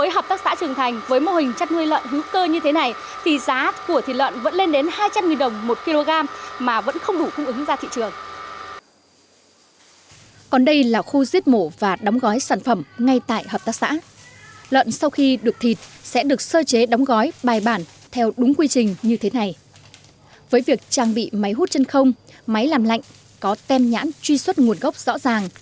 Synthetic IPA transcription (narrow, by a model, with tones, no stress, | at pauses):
vəː˨˦jɦəː˨˩p̚t̪ːk̚sa̰ː˧˥t͡ɕɨ˨˩əŋt̪ʰa˨˩jŋ̟vəː˨˦jmo˧hï˨˩ŋ̟t͡ɕa˦˥t̚nu˧əjlwə̰˧˨nhi˨˦wkəː˧ɲɨ˧t̪ʰe˨˦na˨˩j | t̪ʰi˨˩zaː˨˦ku˧˩ət̪ʰḭ˧˨lwə̰˧˨nvə̰˧˥nle˧nɗe˨˦nhaː˧jt͡ɕa˧mŋi˨˩nɗə˨˩wŋ͡mmo˨˩t̚ki˧lo˧ɣaː˧mmaː˨˩və̰˧˥nxə˧wŋ͡mɗu˧˩kʊ˧ŋ͡mʔɨ˨˦ŋzaː˧t̪ʰḭ˧˨t͡ɕɨ˨˩əŋ | kɔ˨˩nɗə˧jlaː˨˩xu˧zi˦˥ət̚mo˧˩vaː˨˩ɗɔ˨˦wŋ͡mɣɔ˨˦jsaː˧˩nfə˧˩mŋa˧jt̪a̰ː˧˨jɦəː˨˩p̚t̪aː˦˥k̚sa̰ː˧˥ | lwə̰˧˨nsa˧wxi˧ɗɨ˨˩ək̚t̪ʰi˨˩t̚sɛ̰˧˥ɗɨ˨˩ək̚səː˧t͡ɕe˨˦ɗɔ˨˦wŋ͡mɣɔ˨˦jɓaː˨˩jɓaː˧˩n | t̪ʰɛ˧wɗʊ˨˦ŋ͡mkwi˧t͡ɕï˨˩ŋ̟ɲɨ˧t̪ʰe˨˦na˨˩j | vəː˨˦jvi˨˩ək̚t͡ɕaː˧˩ŋɓḭ˧˨ma˨˦jɦu˦˥t̚t͡ɕe˧nxə˧wŋ͡mma˨˦jlaː˨˩mla̰˧˨jŋ̟ | kɔ˨˦t̪ɛ˧mɲa̰ː˧˥nt͡ɕwi˧swə˦˥t̚ŋu˨˩ənɣə˦˥wk͡p̚z̥ɔ̰˧˥zaː˨˩ŋ